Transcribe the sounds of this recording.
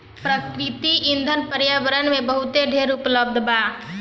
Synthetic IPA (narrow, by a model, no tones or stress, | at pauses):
pɾəkɾɪt̪iʔɪ̃nd̪ʱənpəɾjəʋəɾənmẽbəɦʊt̪eɖʱeːɾʊpləb̚d̪ʱbaː